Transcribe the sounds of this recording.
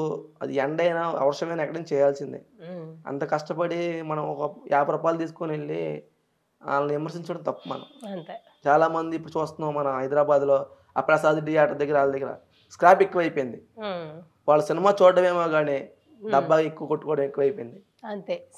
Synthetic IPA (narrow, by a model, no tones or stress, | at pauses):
ɐ̰d̪iɛɳɖɐjnaːʋɛ̰ʋɐɾʂɐmɐjnaɛkːɐɽɐnt͡ʃɛːjaːlsind̪ḭɐ̰nt̪ɐkɐʂʈɐpɐɽimɐnɐmɔkɐjaːpɾɐpaːlt̪̬iːsu̥koneɭːḭ | a̰ːlɐnʋimɐɾsiɲt͡ʃɐɽɐnt̪ɐpːumɐ̰nɐ̰mnt̪e | t͡ʃaːlaːmɐnd̪ipːuɽut͡ʃuːst̪unːamɐnɐɦɐjd̪ɾaːbaːd̪lo̞ː | a̰ːpɾɐsaːd̪iʈijaːɾʈɐd̪ɐɡːɐɾaːld̪ɐɡːɐɾɐ̰ | skɾaːpekːuʋɐjipojind̪i | ʋaːɭːɐsinimaːt͡ʃoːɖɐmeːmoːɡaːni | ɖɐbːakekːuʋɐkoʈːu̥kɔːɽɐmekːuʋɐjpojind̪i | ɐnt̪e